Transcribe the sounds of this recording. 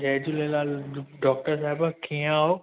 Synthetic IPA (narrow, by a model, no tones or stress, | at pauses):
d͡ʒɛːd͡ʑulelaːlɖɔːk̚ʈəɾs̬aːɦɪbakʰĩːaːɦo